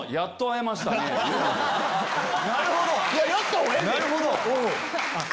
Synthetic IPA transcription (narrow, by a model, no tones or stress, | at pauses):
jat̪ːoae̞maɕi̥t̪ane | naɾɯ̟hod̪ojajat̪ːoenaɾɯ̟ɦod̪oo | a